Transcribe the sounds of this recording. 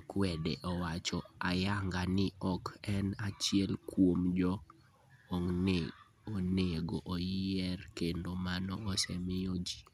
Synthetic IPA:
kwɛdḛʔɔwat͡ʃɔajaŋɡanɪɔkɛnat͡ʃɪɛlkwomd͡ʒɔ | oŋne | oneɡoʔojɛrkendomanɔʔosɛmɪod͡ʒi̥

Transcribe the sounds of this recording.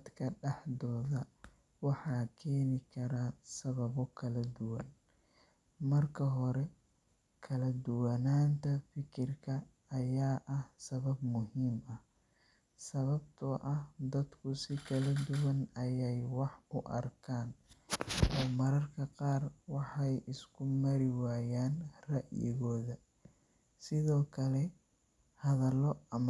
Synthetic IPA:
d̪kʰɐɖɛħdɔːðɐ | wɑħɑːkʰɛːnɪkʰɐɾaːsɐβɐβɔkʰɐlɐd̪ʊwɐn | mɐrkʰɐɦɔɾɛ | kʰɐlɐd̪ʊwɐnaːnt̪ʰɐfɪkʰɪrkʰɐː | jaːʔɐhsɐβɐbmʊɦiːmɐh | sɐβɐbt̪ʰɐʔɐhd̪ɐd̪kʰʊsɪkʰɐlɐd̪ʊwɐnɐjɛjwɑħʊʔɐ̰rkʰaːn | ʔɔːmɐɾɐrkʰɐqɑːrwɑħɑjʔɪskʰʊmɐɾɪwaːjaːnrɐʔjɪ̰ɣɔːðɐ | sɪðɔːkʰɐlɛ | hɐðɐlɔɐm

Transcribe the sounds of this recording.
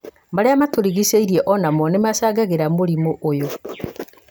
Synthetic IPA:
maɾeamatoɾiɣiseiɾiɛʔɔnamɔnemaʃaːɡaɣeɾamoɾimoʔːjo

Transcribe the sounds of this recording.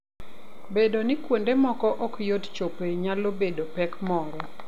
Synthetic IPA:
bedonɪkwondemɔkɔʔɔkjott͡ʃopeɲalobedopɛkmɔɾɔ

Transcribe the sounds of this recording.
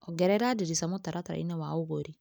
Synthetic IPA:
ɔɡɛɾɛɾadiɾisamot̪aɾat̪aɾa̰ḭnɛwauɡoɾi

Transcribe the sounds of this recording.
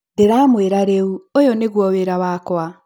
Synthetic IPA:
deɾaːmweɾaɾeuojɔneɣwɔweɾawakwa

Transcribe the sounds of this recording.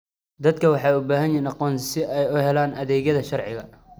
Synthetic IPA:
d̪ɐd̪̚kʰɐwɑħɑːʊbaːɦɐnjinɑqɔːnsɪɛjʊhɛlaːnɐðɛːɣɐðɐʃɐrʕɪ̰ɣɐ

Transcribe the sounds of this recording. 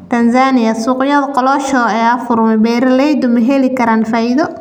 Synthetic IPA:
t̪ʰɐnsaːnɪjɐsuːqjɐðqɔlɔːʃɔːɐjaːfʊrmɛbɛːɾɐlɛjd̪ʊmɛɦɛlɪkʰɐɾaːnfaːɪðɔ

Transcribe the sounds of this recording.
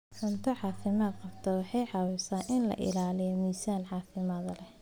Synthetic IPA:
ħʊnt̪ʰɐʕɑːfɪmaːd̪qɑbt̪ʰɐwɑħɑjʕɑwʊsaːnʔɪnlɐ̰ʔɪ̰laːlɪjɔmiːsaːnʕɑːfɪmaːðɐlɛ

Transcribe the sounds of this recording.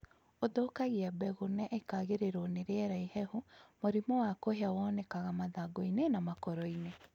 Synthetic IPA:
odokaɣiabɛɣonɛʔekaɣeɾeɾoneɾeɛɾaihɛhumoɾimɔwakoheawɔnɛkaɣamaðaɡoinenamakɔɾɔine

